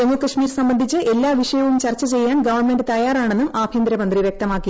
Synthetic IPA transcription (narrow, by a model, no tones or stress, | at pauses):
emːukɐʂmiːɾsɐmbɐnd̪ʱit͡ɕːɨʔe̞lːaːʋiʂɐjɐʋumt͡ɕɐrt͡ɕːɐt͡ɕe̞jːaːnɡɐʋɐrɳme̞nɖɨt̪ɐjaːraːɳe̞nːumʔaːbʱjɐnd̪ɾɐmɐnd̪riʋjek̚t̪ɐmaːkːi